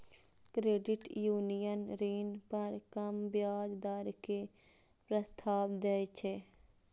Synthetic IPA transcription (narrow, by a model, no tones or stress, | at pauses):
kɾeːɖɪʈjuːnijənɾiːnpɐɾkɐmbjaːd͡ʒd̪aɾke | pɾəst̪ʰaːʋd̪ɛet͡ʃʰe